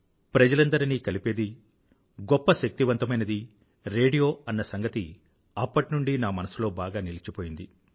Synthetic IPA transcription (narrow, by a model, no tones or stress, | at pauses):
pɾɐd͡ʒɐlɐnd̪ɐɾiniːkɐlipe̞ːd̪i | ɡɔpːɐʃɐk̚t̪iʋɐnt̪ɐmɐjnɐd̪i | ɾe̞ːɖijo̞ːɐnːɐsɐŋɡɐt̪i | ɐpːɐʈinuɳɖinaːmɐnɐsulo̞ːbaːɡaːnilit͡ʃipo̞ːjind̪i